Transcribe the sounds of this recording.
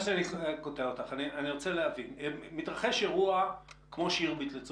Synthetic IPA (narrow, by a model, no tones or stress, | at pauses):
ʃeanikoteaot̪aχanianiʁot͡seleavinemitʁaχe̞ʃeʁuakmo̞ʃiʁbitlet͡s